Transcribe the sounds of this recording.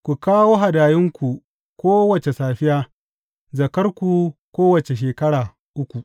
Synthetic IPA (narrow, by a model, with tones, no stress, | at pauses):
kʷu˨kaː˦woː˦ɦa˨daː˨jɪ˦ŋkʷu˨ | kʷoː˦wɐ˨t͡ʃe˨saː˨ɸɪ˦jaː˦ | zɐ˨kɐ˦rkʷu˨kʷoː˦wɐ˨t͡ʃe˨ʃ̬eː˨kɐ˦ɽaː˨ | ʔʊ˦kʷu˨ʔ